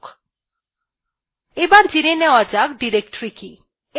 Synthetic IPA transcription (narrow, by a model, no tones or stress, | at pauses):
k | ebaɾd͡ʒiɾeneɔd͡ʒakɖiɾek̚ʈɾiki | e